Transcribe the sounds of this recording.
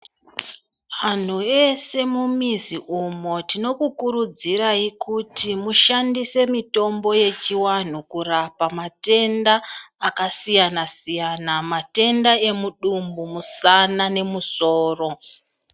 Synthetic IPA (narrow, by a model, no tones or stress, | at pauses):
ʋan̤uese̞mumiziʔumo̞tino̞kukuɾud͡ziɾaikutʰimuʃandise̞mito̞mbo̞je̞t͡ʃiwan̤ukurapamate̞ndaːkasijanasijanamate̞ndae̞muɗumbumusanane̞muso̞ːro̞